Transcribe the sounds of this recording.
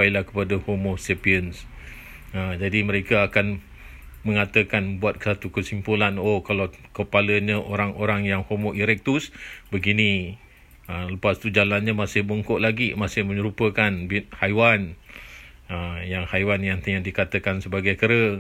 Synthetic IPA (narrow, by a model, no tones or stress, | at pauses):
ajlahkə̥padahomɔsepiəns | əd͡ʒadiməɾekaakan | mə̃ŋat̪əkanbuat̪̚kə̥sat̪ukəsimpulanokalawkəpaləɲəʔoɾaŋʔoɾaŋjaŋhomoʔiɾɛk̚t̪usbəɡini | ələpast̪ud͡ʒalanɲamasɪhboŋkɔʔlaɡimasɪhmə̃ɲəɾupəkanbit̪̚hajwan | əjaŋhajwanjaŋt̪əɲadikat̪əkansəbaɡajkəɾə